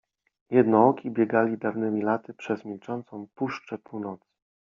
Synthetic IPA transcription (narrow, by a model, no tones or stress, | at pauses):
jɛd̪nɔɔkʲʰibʲjɛɡalʲid̪avnɘmʲilat̪ɘpʂɛzmʲilt͡ʂɔnt̪sɔ̃w̃puʂt͡ʂɛpuwnɔt̪sɘ̥